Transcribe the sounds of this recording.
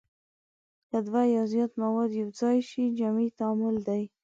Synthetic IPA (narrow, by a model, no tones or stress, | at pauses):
kad̪wajazjɑt̪mawɑd̪jawzɑjʃid͡ʒamit̪aːmʊld̪aj